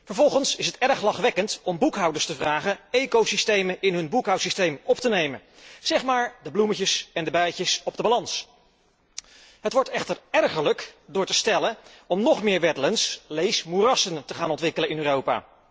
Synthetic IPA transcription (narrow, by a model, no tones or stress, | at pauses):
vəɹvɔlˠχənsɪsɦətɛɹχlɑχʋɛkəntɔmbukɦʌwdəɹstəvraːχənejkowsistejməʔɪnɦɵnbukɦʌwtsistejmɔptənejmən | z̥ɛχmaːɹdəbluməcəsɛndəbɛjcəsɔb̚dəbalɑns | ɦətʋɔɹtɛχtəɹɛɹχələkdʊːɹtəstɛləɔmnɔχmɪːɹʋɛdələnslejsmurɑsəntəχaːnɔntʋɪkələnɪnøːrowpa̰ː